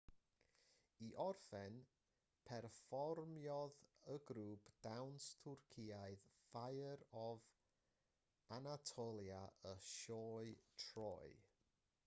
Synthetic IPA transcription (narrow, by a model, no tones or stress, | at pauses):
iʔɔrfɛn | pʰɛrfɔrmjɔðəɡɾuːpʰd̥awnstʰʊrkʰiːaɨðfajəɾɔv | anatʰɔlˠjaʔəʃɔːɨtʰrɔ̰ːɨ